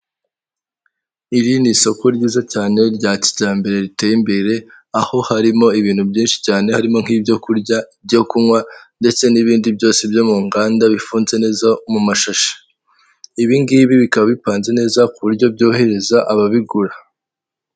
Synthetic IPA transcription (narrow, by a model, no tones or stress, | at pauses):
iɾiniso̞ko̞ɾɟiːzacaːne̞ɾɟaci̥ɟaːmbe̞ɾe̞ɾite̞ːjimbe̞ɾe̞ | aho̞haɾimo̞iβiːn̥hubɟiːnʃi̥caːnehaɾimo̞ŋ̥hiːbjo̞kuɾɟaibɟo̞kumwande̞t͡se̞niβiːndibɟo̞ːsebjo̞muːŋɡaːndaβifuːnze̞ne̞ːzamumaʃaʃḁ | iβiŋɡiβiβikaβaβipaːnze̞ne̞ːzakuβuɾɟo̞b̚ɟo̞ːhe̞ɾe̞zaʔaβaβiɡuɾa